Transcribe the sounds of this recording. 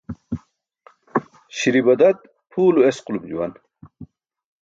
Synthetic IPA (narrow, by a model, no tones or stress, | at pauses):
ɕiɾibɐd̪ɐt̪̚ | pʰuːluesqulumd͡ʑuwɐ̰n